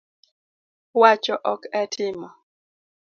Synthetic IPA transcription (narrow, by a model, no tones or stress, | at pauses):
wat͡ʃɔʔɔkɛtʰɪmɔ